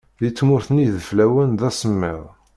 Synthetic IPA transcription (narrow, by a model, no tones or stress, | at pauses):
ðit͡sːmʊɾθəniðəflæwənðæsəmːɪðˤ